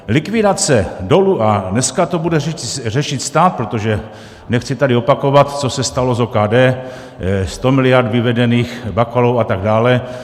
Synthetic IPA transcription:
lɪkvɪdat͡sɛdo̞luʔanɛskat̪o̞budɛɛrɛʃɪt̪st̪aːt̪̚pɾot̪o̞ʒɛ | nɛxt͡sɪt̪adɪo̞pako̞vat̪t͡so̞sɛst̪alo̞zokaːdɛː | st̪o̞mɪlɪjaɾdvɪvɛdɛniːxbakalowat̪aɡ̚daːlɛ

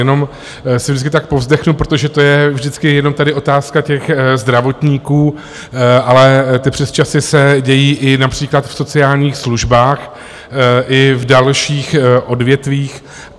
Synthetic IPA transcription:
jɛno̞m | sɪvʒdɪt͡s̬kɪt̪ak̚po̞vzdɛxnupɾo̞t̪o̞ʒɛt̪o̞jɛvʒdɪt͡skɪjɛno̞mt̪adɪʔo̞t̪aːskacɛxzd̪ɾavo̞t̪ɲiːkuː | ʔalɛt̪ɪpr̝̥ɛst͡ʃasɪsɛɟɛjiːʔɪnapr̝̥iːklat̪fso̞t͡sɪaːlɲiːxsluʒbaːx | ʔɪvdalʃiːxʔo̞dvjɛt̪viːx

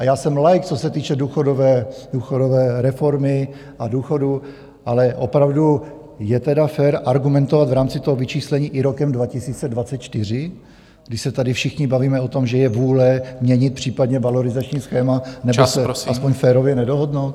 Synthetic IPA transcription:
ʔajaːsɛmlajk̚t͡so̞sɛt̪iːt͡ʃɛduːxodovɛːduːxodovɛːɾɛfo̞ɾmɪ | ʔaduːxo̞du | ʔalɛʔo̞pɾavdu | jɛt̪ɛdafɛːɾʔaɾɡumɛnt̪ovat̪vɾaːmt͡sɪt̪oɦovɪt͡ʃiːslɛɲiːʔɪɾokɛmdvacɪsiːt͡sɛdvatt͡sɛt̪̚t͡ʃt̪ɪr̝ɪ | ɡ̥dɪʃsɛt̪adɪfʃɪxɲɪbaviːmɛo̞t̪o̞mʒɛjɛvuːlɛmɲɛɲɪt̪̚pr̝̥iːpadɲɛvalo̞ɾɪzat͡ʃɲiːsxɛːmanɛbosɛaspoɲfɛːɾovjɛnɛdoɦodnowt̪

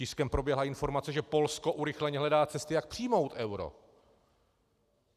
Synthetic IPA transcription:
ɪskɛmpɾobjɛɦlaɪnfo̞ɾmat͡sɛʒɛpo̞lsko̞ʔuɾɪxlɛɲɛɦlɛdaːt͡sɛst̪ɪjak̚pr̥iːmo̞wt̪ʔɛwɾo̞̰

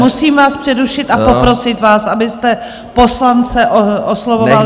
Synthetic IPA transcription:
musiːmvaːspr̥ɛduʃɪt̪apo̞pɾo̞sɪt̪vaːsʔabɪst̪ɛ | po̞slant͡sɛʔoʔoslovoval

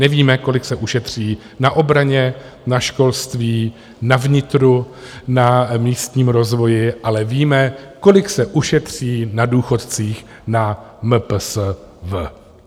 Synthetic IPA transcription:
nɛviːmɛko̞lɪksɛʔuʃɛt̪r̝̥iː | naʔo̞bɾaɲɛ | naʃko̞lst̪viː | navɲɪt̪ɾu | namiːst̪ɲiːmɾo̞zvo̞jɪʔalɛviːmɛko̞lɪksɛʔuʃɛt̪r̝̥iːnaduːxo̞t̪t͡siːx | na | məps | və

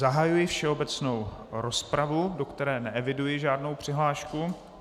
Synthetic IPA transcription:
zaɦajujɪfʃɛobɛt͡sno̞wɾo̞spɾavudo̞kt̪ɛɾɛːnɛɛvɪdujɪʒaːdno̞wpr̥ɪɦlaːʃku

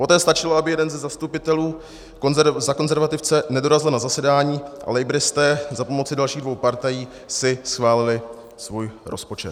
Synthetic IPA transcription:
po̞t̪ɛːst̪at͡ʃɪloabɪjɛdɛnzɛzast̪upɪt̪ɛluː | ozako̞nzɛɾvat̪ɪft͡sɛnɛdo̞ɾazɪlnazasɛdaːɲiːʔa̰lɛjbɾɪst̪ɛːzapo̞mo̞t͡sɪdalʃiːɣdvo̞wpaɾt̪ajiː | sɪsxvaːlɪlɪ | svuːjɾʔo̞spo̞t͡ʃɛt̪

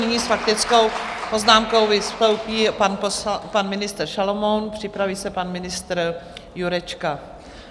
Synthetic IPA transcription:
nɪɲiːsfak̚t̪ɪt͡sko̞wpo̞znaːmko̞wvɪsklowpiːpanppanmɪnɪst̪ɾrʃalomonpr̝̥ɪpɾaviːsɛpanmɪnɪst̪ɾjuɾɛt͡ʃka

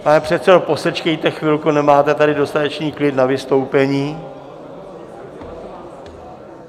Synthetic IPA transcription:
panɛpr̥ɛt̪sɛdo̞po̞sɛt͡ʃkɛjt̪ɛxvɪlkunɛmaːt̪ɛt̪adɪdo̞st̪at̪ɛt͡ʃniːklɪdnavɪst̪o̞wpɛɲiː

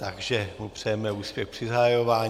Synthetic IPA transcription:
t̪aɡʒɛmupr̝̥ɛjɛmɛuːspjɛxpr̥ɪzaɦajo̞vaːɲ

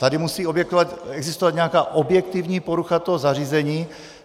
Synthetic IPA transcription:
t̪adɪmusiːo̞bjɛk̚t̪ovat̪ɛɡzɪst̪ovat̪ɲɛakaːʔobjɛk̚t̪ivɲiːpoɾuxat̪oɦozariːzɛɲiː

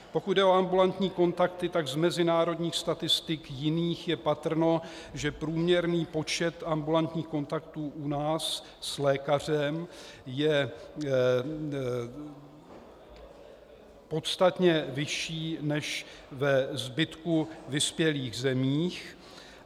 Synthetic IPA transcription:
po̞kud̪̚dɛo̞ambulant̪ɲiːko̞nt̪akt̪ɪt̪aɡzmɛzɪnaːɾo̞d̪ɲiːxst̪at̪ɪst̪ɪkjɪniːxjɛpat̪r̩no̞ | ʒɛpɾuːmɲɛɾniːpo̞t͡ʃɛt̪ambulant̪ɲiːxko̞nt̪ak̚t̪uːʔunaːsː | lɛːkar̝ɛmjɛ | po̞t̪st̪at̪ɲɛvɪʃiːnɛʃ | vɛzbɪt̪kuvɪspjɛliːɣzɛmiːx

